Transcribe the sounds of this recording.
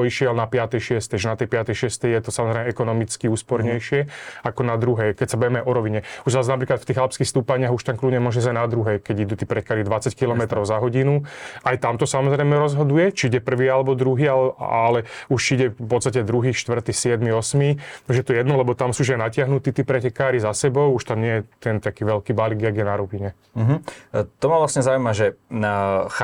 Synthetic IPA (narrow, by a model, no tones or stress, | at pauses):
ɔiʃɪɛlnapɪat̪ɛjʃɪɛst̪ɛjʒɛnat̪ɛjpɪat̪ɛjʃɪɛst̪ɛjjɛt̪ɔsamɔzɾɛɪɛɛkɔnɔmit͡skiuːspɔɾɲɛjʃɪɛakɔnad̪ɾuɦɛjkɛcsabɛʋɛmɛaʔɔɾɔʋiɲɛuʒʋaznap̬ɾiːklat̪ft̪iːɣalpskixst̪uːpaɲɪaɣuʃt̪amkludɲɛmɔʒɛzajnad̪ɾuɦɛjkɛɟid̪uːt̪iːpɾɛt̪̚kaɾid̪ʋat͡sackilɔmɛt̪ɾɔʊzaɦɔɟinuajt̪amt̪ɔsamɔzɾɛjmɛɾɔzɦɔd̪ujɛt͡ʃiiɟɛpr̩ʋiːalɛbɔd̪ɾuɦiːalalɛuʃt͡ʃiiɟɛpɔt̪st̪acɛd̪ɾuɦiːʃt̪ʋr̩t̪isɪɛd̪miɔsmit̪aɡʒɛjɛt̪ɔjɛd̪nɔlɛbɔt̪amsuːʒajnacɪaɦnut̪iːt̪iːpɾɛcɛkaːɾizasɛbɔʊuʃt̪amɲɪɛjɛt̪ɛnt̪akiːʋɛlkiːbaliɡjaɡjɛnaɾupiɲɛ | ɦ̩t̪ɔmavlasɲɛzaːujmaʒɛ